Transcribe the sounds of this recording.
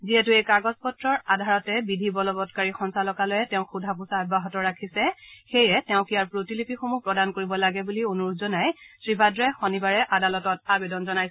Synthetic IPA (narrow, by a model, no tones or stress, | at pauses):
ziɛtuejkaɹɡɔspɔtɹɔɹadʱaɹɔtɛbidʱibɔlɔbɔtkaɹixɔnsalɔkalɔjɛtɛʊ̃xʰudʱapusaɔbaɦɔtɔɹakʰisɛxejɛtɛʊ̃kijaɹpɹotilipixomupɹɔdankoɹibɔlaɡɛbulionuɹzɔnajsɹibʱadɹɛjxɔnibaɹɛʔadalɔtɔtabedɔnzɔnaj